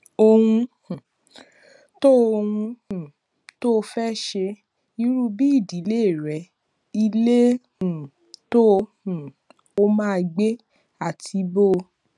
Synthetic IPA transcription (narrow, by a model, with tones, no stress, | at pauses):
o˧hũ˧˨ | to˦˧hũ˧ũ˨ | to˦˧fɛ˦ʃe˧ | i˧˦ɾu˦bi˦i˦˨di˨˦le˦˨ɾɛ˨˦ | i˧le˦ | ũ˨ | to˦˧ | ũ˨ | o˧˦mãː˦˧ɡ͡be˦ | a˦˨tʰi˧bo˦˧